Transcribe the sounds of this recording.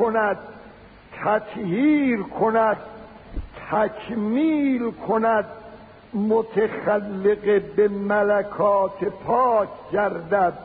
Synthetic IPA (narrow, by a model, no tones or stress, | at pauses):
onæd̪̥̚ | t̪ʰæt̪hiːɾkʰonæd̪̚ | t̪ʰækʰmiːlkʰonæd̪ | mot̪ʰexælːeɡebemælækʰɒːt̪ʰepʰɒːkʰɟæɾd̪æd̪̥̚